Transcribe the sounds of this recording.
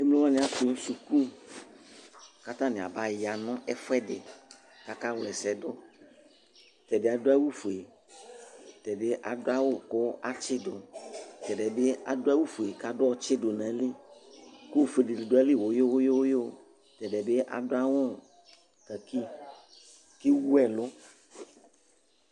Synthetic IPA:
e˦m˦lõ˦wã˦nɪ̃˨a˨tʊ˨ŋ̩˦su˨ku˦ | ka˦t̪ã˦nɪ̃˨a̰˨ba˨ja˨nʊ̃˦ɛ˦fɛ˦dɪ̰˨ | ka˦ka˦wlɛ˨sɛ˨dʊ˦ | t̪ɛ˨dɪ˨a˨do˦a˦wu˦fu˨e˨ | t̪ɛ˨dɪ˦ʔa˨dʊ˦a˦wʊ˦˨kʊ˦a˦t͡ʃɪ˦dʊ˨t̪ɛ˨dɛ˨be˦a̰˨dʊ˦a˦wu˦fu˨e˨ka˦dʊ˦ɔ˦t͡ʃɪ˦do˨nã˨˦lɪ˦ | kʊ˦˨fe˨di˨lɪ˨do˨˦a˦lɪ˦˨wo˨˦jo˦wo˦jo˦wo˦jo˦˨ | t̪ɛ˨dɛ˨be˦ʔa̰˨dʊ˦a˦wʊ˦˨ | ka˨ki˦ | ki˦wu˦ɛ˦lʊ˦

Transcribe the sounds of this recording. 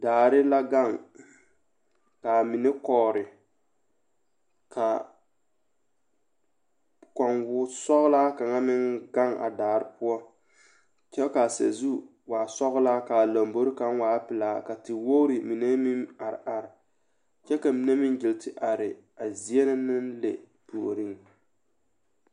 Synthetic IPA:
daː˨ɾɪ˦la˦ɡa˦˨ŋ | ka˨mi˨nɛ˦kɔː˨ɾɪ˨ | kʰa˨ | kɔ˨ŋwʊ˦sɔ˦ɣʊ˦la˦ka˨ŋa˦mɪ˦ŋɡa˦ŋa̰˨daː˨ɾɪ˦pʊ˦ɔ˦ | t͡ʃɛ˦lka˨sa̰˨zu˦ | waː˨sɔ˦ɣʊ˦laː˦ka˨la˨mbo˦ɾɪ˦ka˦ŋ˦waː˦pɪ˨laː˦ka˨tɪ˨wo˦ɾi˨mi˨ne˦mi˦ma˨ɾɪ̰˨ʔa˨ɾɪ˨ | t͡ʃɛ˦ka˨mi˨ne˦mɪ˦nd͡ʒɪ˨ltʰɪ˨ʔa˨ɾɪ˨ | a˨zi˦ɛ˦nɨ˦nɪ˦nlḛ˨ | po˨ɾi˦ŋ

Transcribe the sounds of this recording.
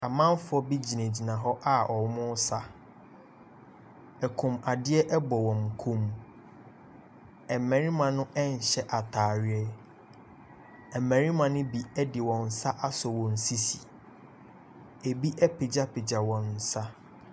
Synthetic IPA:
a˨mã˦m˦fʊ˨ɔ˦bi˦d͡ʑi˨nẽ˨d͡ʑi˨nã˨ɦɔ˦ʔa˦ɔ˨˦mʊ̃˦sa˨ | ɛ˨kʰũ˨ma˨dɪ˦ɛ˦ʔɛ˦bɔ˨wɔ̃˨m˨kʰũ˦m | ɛ˨mɛ̃˨ɾĩ˦mã˨nʊ̃˦ʔɛ˦n̩˨ɕɛ˦ʔa˨tʰaː˨ɾɪ˦ɛ˦ | ɛ˨mɛ̃˨ɾĩ˦mã˨nʊ̃˦bi˨ɛ˦dɪ˨wɔ̃˨n̩˨sa˦ʔa˦sɔ˨wɔ̃˨n̩˨si˦si˨ | e˨bi˦ʔɛ˦pʰe˨d͡ʑa˦pʰe˨d͡ʑa˨wɔ̃˨nː˨sa˦

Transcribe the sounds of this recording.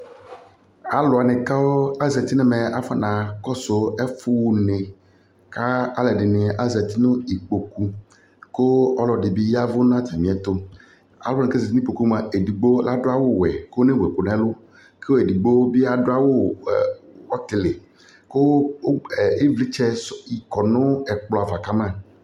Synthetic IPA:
a˦lʊ˨a˨nẽ˨ka˦o˦a˦zɛ˨t̪i˦ne˦me˨a˦fa˦nã˨kɔ˦so˨ɛ˦fu˦wu˨nẽ˨ | ka˦a˦lɛ˨ɖɪ˨nɪ̃˨ʔa˦zɛ˨t̪i˦nõ˦i˨k͡po˨ku˦ | ko˦ɔ˦lɔ˨ɖi˨bi˦ja˦vo˦nã˦t̪i˨mĩ˨ɛ˨t̪o˦ | a̰˨˦ɔ˦nẽ˨ke˦zɛ˨t̪i˦ĩ˦k͡po˨ku˦m˦˨a˨ʔe˨di˨ɡ͡bo˦la˦dʊ˦a˦wo˦wɛ˨ko˦o˦ne˦wɛ˨ko˨nɛ̃˦lʊ˦ | ke˦wo˦e˨di˨ɡ͡bo˦bi˦a˦do˦a˦wo˦˨ | wɔ˦t̪ɪ˨le˨ | ko˦˨ | e˦vli˦t͡ʃɛ˦si˨kɔ˨nʊ̃˦ɛ˨k͡plɔ˨a˨va˨ka˦mã˦˨

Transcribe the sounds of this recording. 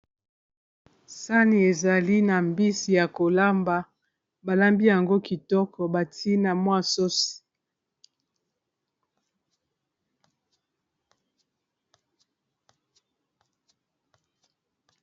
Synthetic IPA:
sa˦ni˨e˨za˨li˦na˨mbi˦si˨ja˨ko˨la˦mba˨ | ba˨la˦mbi˦ja˨ŋɡo˦ki˨tɔ˦kʰɔ˨ba˨tʰi˦na˨mwa˦so˦si̥˨

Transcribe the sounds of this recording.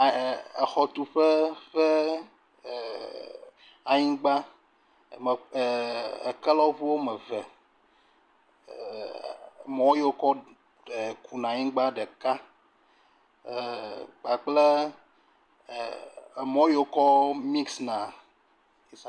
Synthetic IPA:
e˨xɔ˨t̪u˨ɸe˦ɸe˦˨ | a˨ɲĩ˦ɡ͡ba˦˨ | m˨ | ḛ˨kɛ˦lɔ˦vu˦wo˦mɛ̃˨vɛ˨ | mɔ̃˨˦o˦jo˦kɔ˦ | e˨kʰu˨nã˨ɲĩ˦ɡ͡ba˦ɖə˨ka˦˨ | k͡pa˨k͡ple˦˨ | mɔ̃˦jo˨kɔ˦mi˦ksnã˨ | i˨˦sa˨

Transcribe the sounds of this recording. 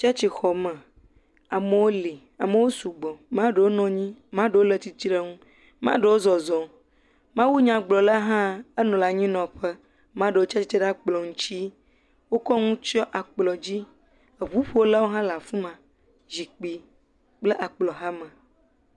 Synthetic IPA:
t͡ʃa˦t͡ʃi˨xɔ˨mə̃˨ | a˨mə˨wo˦li˨ | a˨mə˨wo˦su˨ɡ͡bɔ˨mã˦ɖe˨wo˦nɔ̃˨ɲĩ˦mã˦ɖe˨wo˦lə˨t̪i˦t͡ɕi˦ɖe˦ŋũ˦ | mã̰˦ɖə˨wo˦zɔ˨zɔ̃˨ | mã˦wu˦ɲã˨ɡ͡blɔ˨la˦ɦã˦ə˦nɔ̃˨la˨ɲĩ˦nɔ̃˨ɸə˦ | mã˦ɖe˨wo˦t͡ʃa˦t͡ɕi˨˦t͡ʃe˦ɖa˦k͡plɔ˨ŋũ˦t͡ɕi˦ | wo˦kɔ˦ŋũ˦t͡ʃɔ˦ʔa˨k͡plɔ˨d͡ʑi˦ | ə˨βu˨˦ɸu˦wo˦la˦wo˦ɦã˦la˨fũ˦mã˨ | zi˨k͡pi˨ | k͡plə˦ʔa˨k͡plɔ˨ɦã˦mə̃˨

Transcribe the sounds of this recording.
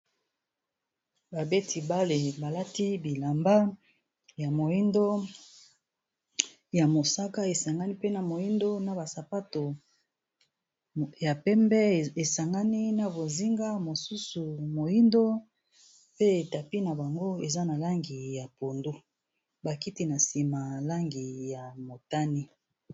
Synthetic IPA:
ba˨be˦tʰi˨ba˦le˨ba˨la˦ti˦bi˨la˨mba˦ | ja˨mo˨ji˦ndo˦ | ja˨mo˨sa˦ka˦e˨sa˨ŋɡa˦ni˦pe˦na˨mo˨ji˦ndo˦na˨ba˨sa˨pa˦to˨ | ja˨pɛ˦mbɛ˦e˨sa˨ŋɡa˦ni˦na˦bo˨zi˦ŋɡa˦mo˨su˦su˨mo˨ji˦ndo˦ | pe˦e˨ta˨pi˦na˨ba˨ŋɡo˦e˨za˦na˨la˦ŋɡi˨ja˨po˨ndu˦ | ba˨ki˦ti˦na˨si˨ma˨la˦ŋɡi˨ja˨mo˨ta˦ni˦

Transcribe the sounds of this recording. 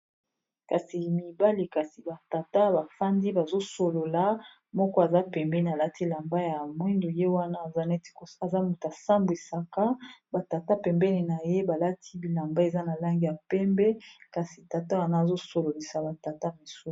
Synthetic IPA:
ka˨si˨mi˨ba˦li˨ka˨si˨ba˨ta˨ta˦ba˨fa˦ndi˦ba˨zo˦so˨lo˨la˨ | mɔ˦kɔ˦a˨za˦pɛ˨mbɛ˦ni˨a˨la˦tʰi˦la˨mba˦ja˨mwi˦ndo˨je˦wa˦na˦˨a˦n˦ta˨za˦mu˨ta˨sa˦mbwi˨sa˨ka˦ba˨ta˨ta˦pɛ˨mbɛ˦ni˨na˨je˦ba˨la˦tʰi˦bi˨la˨mba˦e˨za˦na˨la˦ŋɡi˨ja˨pɛ˦mbɛ˦ka˨si˨ta˨ta˦wa˦na˦˨zo˦so˨lo˨li˨sa˨ba˨ta˨ta˦mi˨so˦˨

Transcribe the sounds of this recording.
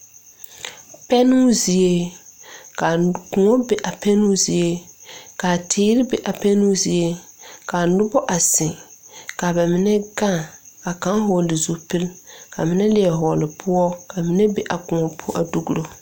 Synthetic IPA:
pɛ˦nu˦zi˨e˦ | ka˨kʊ˨ŋɔ˦bɛ˨ʔa˨pɛ˦nu˦zi˨e˦ka˨tʰɪː˦ɾɪ˦bɛ˨ʔa˨pɛ˦nu˦zi˨e˦ka˨nʊ˦bɔ˦ʔa˨sɪ˨ka˨bɛ˨mɪ˨nɛ˦ɡa˦˨ | a˨ka˨˦ŋhɔ˨lɪ˨zu˦pɨ˦lka˨mɪ˨˦nɛ˦lɪ˦ɛ˨ɦɔː˨lɪ˨pʰʊ˦ɔ˦ka˨mɪ˦nɛ˦bɛ˦ʔa˨kʊ˨ŋɔ˨pʰʊ˦ʔa˨du˦ɡu˦ɾo˦

